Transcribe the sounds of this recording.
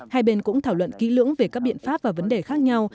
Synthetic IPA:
haː˧jɓe˧nkʊ̰˧˥ŋ͡mt̪ʰaː˧˩wə̰˧˨nki˨˦lɨ̰˧˥əŋve˨˩kaː˦˥k̚ɓḭ˧˨ənfaː˦˥p̚vaː˨˩və˨˦nɗe˨˩xaː˦˥k̚ɲa˧w

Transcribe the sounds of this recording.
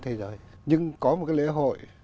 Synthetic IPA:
t̪ʰe˨˦zəː˨˦jɲɨ˧ŋkɔ˨˦mo˨˩kaː˨˦jlḛ˧˥ɦo̰˧˨j

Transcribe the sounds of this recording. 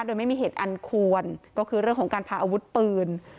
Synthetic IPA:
do˧jma˥˩jmiː˧ɦeː˨˩t̪ʔa˧nkʰu˧ənkɔː˥˩kʰɯː˧ɾɯ˥˩əŋʰkɔː˨˩˦ŋkaː˧npʰaː˧˩ʔaː˧wu˦˥t̪̚pɯː˧n

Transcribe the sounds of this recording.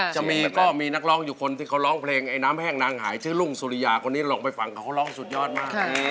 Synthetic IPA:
t͡ɕa˨˩miː˧kɔː˥˩miː˧na˦˥˩k̚lɔː˦˥ŋjuː˨˩kʰo˧nt̪ʰiː˥˩kʰa˦˥wlɔː˦˥ŋpʰleː˧ŋʔa˧jnaː˦˥mpʰɛː˥˩ŋnaː˧ŋhaː˩˦jt͡ɕʰɯː˦˥˩lu˥˩ŋsuː˧ɾi˧jaː˧kʰo˧niː˦˥˧lɔː˧ŋpa˧jfa˧ŋkʰa˨˩kʰa˦˥wlɔː˦˥˩ŋsu˨˩jɔː˥˩t̪̚maː˥˩˥

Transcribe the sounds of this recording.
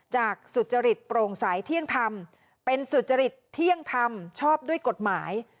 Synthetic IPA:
t͡ɕaː˨˩k̚su˨˩t̪̚t͡ɕa˧ɾi˨˩t̪̚pɾoː˧ŋsa˩˦jt̪ʰi˥˩əŋt̪ʰa˧m | pe˧nsu˨˩t̪̚t͡ɕa˧ɾi˨˩t̪ʰːi˥˩əŋt̪ʰa˧mt͡ɕʰɔː˥˩p̚du˥əjko˨˩t̪̚maː˩˦j

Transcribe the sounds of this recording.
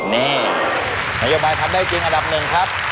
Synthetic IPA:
nɛː˥˩ | na˦˥joː˦˥baː˧jt̪ʰa˧mdaː˥˩jt͡ɕi˧ŋʔa˧nda˨˩p̚nɯ˨˩ŋkʰa˦˥p̚

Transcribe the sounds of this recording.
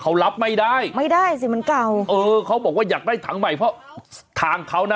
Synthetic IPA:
kʰa˦˥wla˦˥p̚ma˥˩jdaː˥˩jma˥˩jdaː˥˩js̬i˨˧˩ma˧˦nka˨˩wʔɤː˧kʰa˦˥wbɔː˨˩k̚waː˥˩jaː˨˩k̚daː˥˩jt̪ʰa˨˩˦ŋma˨˩jpʰɾɔ˦˥t̪ʰaː˨˩ŋkʰa˨˦˥wna˦˧

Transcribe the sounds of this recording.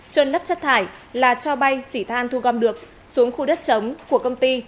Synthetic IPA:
t͡ɕwə˨˧˩nlə˦˥p̚t͡ɕə˦˥t̚t̪ʰaː˧˩jlaː˨˩t͡ɕɔ˧ɓa˧jsi˧˩t̪ʰaː˧nt̪ʰu˧ɣɔ˧mɗɨ˨˩ək̚ | su˨˦əŋxu˧ɗə˦˥t̚t͡ɕə˨˦wŋ͡mku˧˩əkə˧wŋ͡mt̪i˧

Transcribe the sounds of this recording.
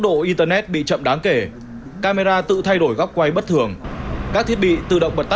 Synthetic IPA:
ɗo̰˧˨ʔi˧t̪əː˧nɛ˦˥t̚ɓḭ˧˨t͡ɕə̰˧˨mɗaː˨˦ŋke˧˩ | kaː˧me˧zaː˧t̪ɨ̰˧˨t̪ʰa˧jɗo˧˩jɣɔ˦˥wp̚kwa˧jɓə˦˥t̚t̪ʰɨ˨˩əŋkaː˦˥k̚t̪ʰi˦˥ət̚ɓḭ˧˨t̪ɨ̰˧˨ɗə̰˧˨ŋ͡mɓə˨˩t̪

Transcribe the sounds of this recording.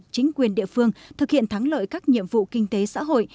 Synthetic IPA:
t͡ɕï˨˦ŋ̟kwi˨˩ənɗḭ˧əfɨ˧əŋt̪ʰɨ˨˩k̚hḭ˧˨ənt̪ʰa˨˦ŋlə̰ː˧˨jkaː˦˥k̚ɲḭ˧˨əmvṵ˧˨kï˧ŋ̟t̪e˨˦sa̰ː˧˥ɦo̰˧˨j

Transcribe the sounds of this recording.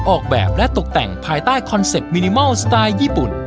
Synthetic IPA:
ʔɔː˨˩k̚bɛ̰ː˨˩p̚lɛ˦˥t̪o˨˩k̚t̪ɛ˨˩ŋpʰaː˧jt̪aː˥˩jkʰɔ˧nse˨˩p̚miː˧ni˧mɔ˥˩wst̪aː˧jːiː˥˩pu˨˩n

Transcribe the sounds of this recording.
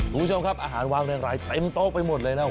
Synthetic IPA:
ɾuː˦˥t͡ɕʰo˧mkʰa˦˥p̚ʔaː˧ɦaː˩˦nwaː˧ŋɾɛː˧ŋɾaː˧˥jt̪e˧mt̪oː˥˩pa˧jmo˨˩lɤː˧jna˦˥˩

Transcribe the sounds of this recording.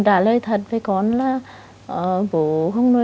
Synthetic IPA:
ɗaː˧˩ləː˧jt̪ʰə˨˩t̚və˨˩jkɔ˨˦nlaː˨˧˩ | ʔəː˨˩ɓo̰˧˨xə˧wŋ͡mno˧˦

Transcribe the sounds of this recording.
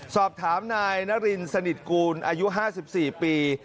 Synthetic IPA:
sɔː˨˩p̚t̪ʰaː˩˦mnaː˧jna˦˥ɾi˧nsa˧ni˨˩t̪̚kuː˧nʔaː˧ju˦˥ɦaː˥˩si˨˩p̚siː˨˩piː˧

